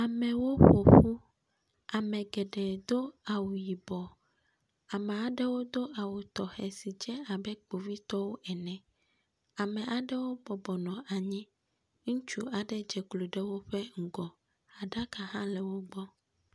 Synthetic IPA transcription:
a˨mɛ̃˨wo˦ɸo˨ɸu˦ | a˨mɛ̃˨ɡɛ˨ɖɛ˨d̪o˦a˨wu˨ji˨bɔ˨ | a˨mɛ̃˨a˨ɖɛ˦wo˦d̪o˦ʔa˨wu˨t̪ɔ˨xɛ˨si˨d͡ʒɛ˦a˨bɛ˦k͡po˨vi˦t̪ɔ˦wo˦ʔɛ˨nɛ̃˨ | a˨mɛ̃˨ʔa˨ɖɛ˦wo˦bɔ˨bɔ˨nɔ̃˨ʔa˨ɲĩ˦ | ŋũ˦t͡ʃu˦a˨ɖɛ˦d͡ʒɛ˨klo˨ɖe˦wo˦ɸɛ˦ŋ̩˨ɡɔ˨ | a˨ɖa˦ka˨ɦã˦lɛ˨wo˦ɡ͡bɔ˦

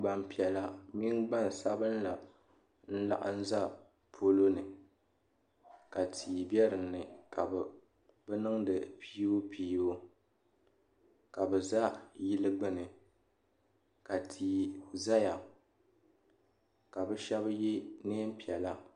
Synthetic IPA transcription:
ɡ͡ba˨m˨pi˨ɛ˨la˦mi˦ŋɡ͡ba˦˨n˨sa˦bɨ˦nla˨ | n̩˦la̰˦ʔa̰˦n̩˦za˦ | pʰo˦lo˦nɨ˨ | ka˨tʰiː˨bɛ˦ɾɨ˨nɨ˨ka˨bɛ˨ | bɛ˦nɨ˦ŋdɨ˨pi˦o˦piː˦o˦ | ka˨bɛ˨za˦ji˦lɨ˦ɡ͡bɨ˦nɨ˨ | ka˨tʰiː˨za˦ja˨ | ka˨bɛ˦ʃɛ˦bjɛ˦neː˦m˦pi˨ɛ˨la˦

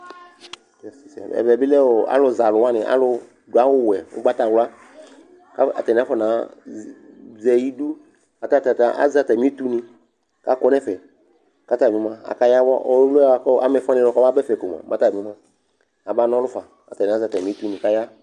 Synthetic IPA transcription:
tɛ˨si˨sa̰˨ɛ̰˨vɛ˨bi˦lɛ˦wo˨a̰˦lʊ˨za˨lʊ˨wa˦nɪ̃˨ʔa̰˦lʊ˧ | dʊ˨a˦wʊ˦wɛ˨ʊ̰˦ɡ͡ba˦t̪a˨wla˦ | ka̰˨tɛ˨nĩ˨a˦fɔ˦nã˨˦ | zɛ˨ji˦du˦ | a˨t̪a˦ta˨ta˨ʔa̰˦za˨t̪a˨mĩ˦t̪u˦nĩ˧ | ka˦kɔ˦nɛ˦fɛ˨ | ka˦t̪a˨mĩ˨˦mã˦a̰˨ka˦ja˦wɔ̰˦ʔɔ˦lɛ˦˨˦kɔ˦a̰˦mɛ˨fa˦nɛ̃˨˦lɔ˨kɔ˦a˦bɛ˦fɛ˨ko˨m˨ã̰˨mã˦t̪a˨ĩ˨˦mã˦ | a˨ba˦nɔ̃˦lʊ˦fa˨ | a˨ta˨ni˨a˦za˨ta˨ĩ˨˦t̪u˦nĩ˨ka˦ja˦

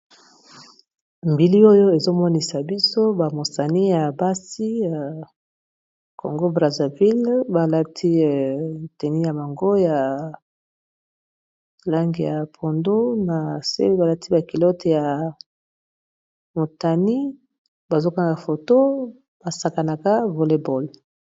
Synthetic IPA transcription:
mbi˨li˦o˦jo˦e˨zo˦mɔ˦ni˨sa˨bi˦so˦ba˨mo˨sa˨ni˦ja˨ba˦si˦ja˨ | kʰo̰˨ŋɡo˦bʁa˨za˨vi˦lba˨la˦tʰi˦˨te˨ni˦ja˨ba˨ŋɡo˦ja˨ | la˦ŋɡi˨ja˨pʰo˨ndu˦na˨sḛ˦ba˨la˦ti˦ba˨ki˨lɔ˦te˨ja˨ | mo˨ta˨ni˦ | ba˨zo˦ka˦ŋɡa˨fo˨to˦ | b̥a˨sa˨ka˨na˨ka˦vo˨le˨bo˨l

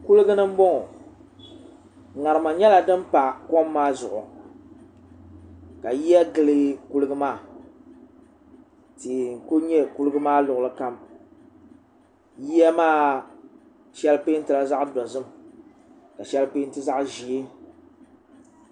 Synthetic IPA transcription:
ku˦lɨ˦ɡɨ˦nɨ˦m̩˦bɔ˦ŋɔ˨ | ŋa˨ɾɨ˨ma˨ɲɛ˦la˨dɨ˦m˦pa˨kɔ˦mːaː˦zʊ̰˨ʔʊ̰˨ | ka˨ji˦ja˦ɡɨ˦lɨ˦ku˦lɨ˦ɡɨ˦maː˦˨ | tiː˨ŋ̩˨ko˦ɲɛ˦ku˦lɨ˦ɡɨ˦maː˦lʊ˨ʔʊ˨lɨ˦ka˦m | ji˦ja˦maː˦˨ | ʃɛ˦lpeː˦n̩˦tɨ˨la˦za˦ʔdɔ˨zɨ˦m | ka˨ʃɛ˦lpeː˦n˦tɨ˦za˦ʔʒi˨e˦

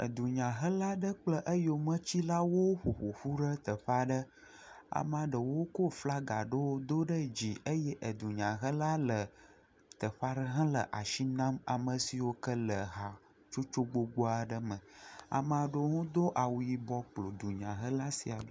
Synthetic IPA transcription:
ə̰˨d̪u˨ɲã˨ɦə˦la˦ɖə˦k͡plə˦ʔə˦jo˨mə̃˦t͡ɕi˦la˦wo˦ɸo˨ɸo˨ɸu˦ɖə˦t̪ə˨ɸa˦ɖə˦ | a̰˨m˦ã˨ɖə˨wo˦ko˦fla˦ɡa˨ɖə˦wo˦d̪o˦ɖə˦d͡ʑi˨ʔə˦jɛ˦ʔə˨d̪u˨ɲã˨ɦə˦la˦lə˨ | t̪ə˨ɸa˦ɖə˦ɦã˦lə˨ʔa˨ʃi˦nã˦ma̰˨mə˨si˨wo˦kə˦lə˨ɦa˨ | t͡ʃo˦t͡ʃo˦ɡ͡bo˦ɡ͡bo˦a˨ɖə˦mə̃˨a̰˨m˨a˨ɖo˦ŋõ˦d̪o˦ʔa˨wu˨ji˨bɔ˦k͡plo˨d̪u˨ɲã˨ɦə˦la˦si˨a˨ɖ

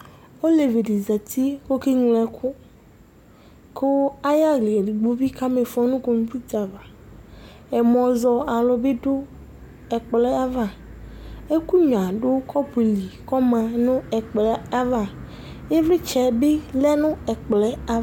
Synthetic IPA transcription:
o˦le˨ve˨ɖi˨za˨t̪ʰi˦wo˦ke˦ɲĩ˨lɛ˨kʰʊ˦ | kʰo˦a˦ja˦ɣli˨di˨ɡ͡bo˦vi˦ka˦me˨fɔ˦nũ˦ko˨ŋ˦pi˦t̪a˨va˨ | ɛ˨mɔ̃˨zɔ˨a˨lɔ˨be˦ɖʊ˦ | ɛ˨k͡plɛ˦a˦va˨ | e˦ku˦ɲ˨a˨ɖʊ˦kʰɔ˦pe˨li˨kɔ˦mã˨nʊ̃˦ɛ˨k͡plɛ˦a˦va˨ | e˦vɾi˦t͡ʃɛ˨be˦lɛ˦nʊ̃˦ɛ˨k͡plɛ˦a˦

